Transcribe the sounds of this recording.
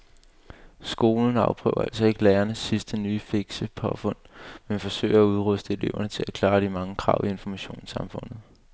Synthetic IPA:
sɡ̥o̝ːln̩ɑ̈ʊpʰʁœ̰ːʊ̰ɐ̰ælsɒ̽e̝ɡ̥əlæːɐnəsːisd̥ənyːfe̝ɡ̥səpʰɒ̽fɔ̽n̰menfɒ̽sø̰ɪ̰ɐæuð̞ˠʁɔsd̥əe̝le̝ʊɐnət͡sʰe̝lækʰlɑ̈ːd̥imɑ̈ŋəkʰʁɑ̈ʊ̰ie̝nfɒ̽mæɕo̝̰ːnsɑ̈mfɔ̽n̰ð̞̩ˠ

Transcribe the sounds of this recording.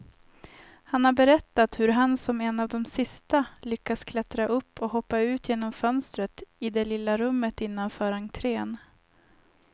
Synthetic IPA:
hanhaɾbɛɾɛt̪ːat̪hɵɾɦansɔmɛnːavd̪ɔmsɪst̪alʏkːaskʰlɛt̪ɾaʔɵpːɔɦɔpːaʉ̟ːt̪jeːnɔmfœnst̪ɾət̪ɪd̪ɛlɪlːaɾɵmːət̪ɪn̪ːanfœːɾhant̪ʰɾeːn

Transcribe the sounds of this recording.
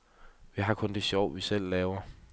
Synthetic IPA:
ʋiɦɑ̈kʰɔ̽nd̥e̝ɕjɒʊ̰ʋisel̰ːɛːʊɐ

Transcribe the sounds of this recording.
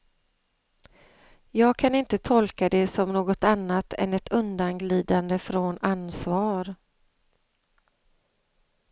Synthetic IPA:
jɑːɡ̚kʰanɪnt̪ət̪ʰɔlkad̪ɛsɔmnoːɡɔt̪anːat̪ʰɛ̰nɛt̪ʰɵnd̪anɡliːd̪and̪əfɾɔnansvɑːɾ

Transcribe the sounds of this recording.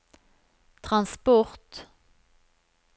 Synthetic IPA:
t̪ʰʁɑnspɔʁt̪

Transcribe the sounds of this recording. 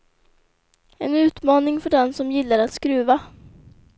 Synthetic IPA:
ɛnʉ̟ːt̪mɑːnɪŋfœɖɛnsɔmjɪlːaɾat̪skɾʉ̟ːva

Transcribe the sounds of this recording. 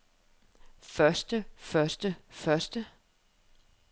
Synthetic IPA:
fɶɐsd̥əfɶɐsd̥əfɶɐsd̥ə

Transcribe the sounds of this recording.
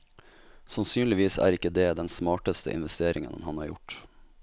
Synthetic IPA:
sɑnsyːnlɪʋiːsæ̰ːɾɪkːəd̪eːd̪ɛnsmɑːʈəst̪ə̰ʔɪ̰nʋɛst̪eːɾɪŋə̰nnhɑnhɑːɾjʊ̰ʈ

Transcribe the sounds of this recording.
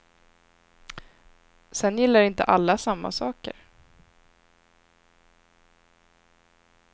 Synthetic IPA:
sɛnjɪlːaɾɪnt̪ə̰ʔalːasamːa̰sɑːkə̰ɾ

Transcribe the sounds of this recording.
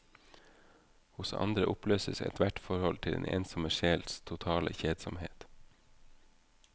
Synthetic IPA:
hʊsɑ̰nd̪ɾəʔʊpløːsəsɛ̰t̪ʰʋæʈfɔɾhɔlt̪ʰɪlḛnʔḛːnsɔməʃeːlst̪ʰʊt̪ʰɑːlə̰çeːd̪sɔmhḛːt̪

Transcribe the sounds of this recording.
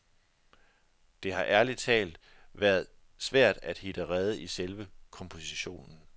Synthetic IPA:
d̥e̝ɦɑ̈ʔæɐli̥t͡sʰɛ̰ːld̥ʋæːɐð̞ˠ | sʋæɐ̰d̥æd̥hid̥əʁɛð̞ˠəʔiselʋəkʰɒ̽mpʰo̝siɕo̝̰ːnn̩

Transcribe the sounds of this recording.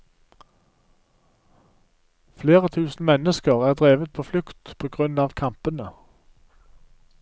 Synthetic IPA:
fleːʁət̪ʰʉːsn̩mɛnəskəʁæːʁd̪ʁeːʋət̪̚pʰoːflʉkt̪pʰoːɡʁʉnɑːʋkʰɑmpənə

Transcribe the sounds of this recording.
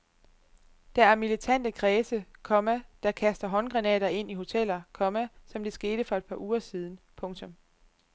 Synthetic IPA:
d̥ææɐmilit͡sʰæn̰d̥əkʰʁɛːsəkʰɒ̽mæd̥ɑ̈kʰæsd̥ɐɦɒ̽nɡ̥ʁɑnɛ̰ːɾ̥ɐe̝n̰iho̝t͡sʰel̰ɐkʰɒ̽mæsɒ̽md̥e̝sɡ̥e̝ːd̥əfɒ̽e̝d̥̚pʰɑ̈ʔuːɐsiːð̞ˠn̩ | pʰɔ̽ŋt͡sʰɔ̽m

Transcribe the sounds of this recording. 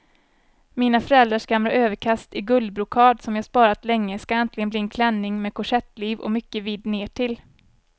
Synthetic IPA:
miːnafœɾɛld̪ɾaʂɡamɾaʔøːvəkʰast̪ɪɡɵld̪̚bɾʊkʰɑːd̪sɔmjɑhaspɑːɾat̪lɛŋːəskaɛnt̪lɪɡənbliːɛnkʰlɛnːɪŋmɛːkʰʊʂɛt̪ːliːvɔ̰mʏkːəviːd̪neːʈʰɪl

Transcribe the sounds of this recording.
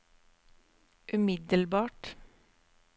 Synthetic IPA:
ʔʉmɪd̪əlbɑːʈ

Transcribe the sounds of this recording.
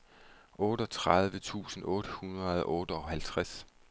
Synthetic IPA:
ʔɔ̽ːɾ̥ɒ̽t͡sʰʁɑð̞ˠʋət͡sʰṵːsn̩ɔ̽ːd̥əhunʁɐð̞ˠʔɔːɾ̥əɒ̽hælt͡sʰʁas

